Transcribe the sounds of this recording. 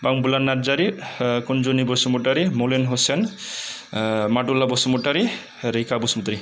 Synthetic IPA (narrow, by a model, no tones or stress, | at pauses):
baŋbulanːaɾd͡ʒaɾikund͡ʒunibɔsumuʈaɾimolenɦosen | maʈulabɔsumuʈaɾi | ɾikabusmut̪ɾi